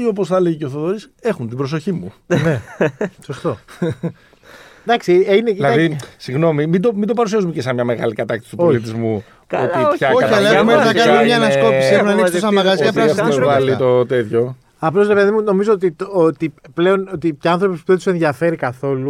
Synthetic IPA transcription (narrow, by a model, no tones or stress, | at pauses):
io̞p̬osθɐleʝceoθoðoɾise̞xunt̪ibɾo̞s̬o̞çimuneso̞st̪o̞ | d̪ɐksiineilɐðisiɣno̞mimid̪o̞mind̪o̞pɐɾusiɐzumecesɐmɲɐmeɣɐlikɐt̪ɐkt̪ist̪upoçit̪izmu | ot̪içɐkoɐiɐleumeθɐkɐnumɲɐenɐsko̞pisieumnɐnikssɐmɐɣɐzɐpɾɐssvɐlit̪o̞t̪e̞t̪ço̞ | ɐplo̞zɾe̞peðimuno̞mizoot̪it̪ot̪iple̞o̞not̪iceɐnθɾo̞pispuðese̞nðjɐfe̞ɾikɐθo̞lu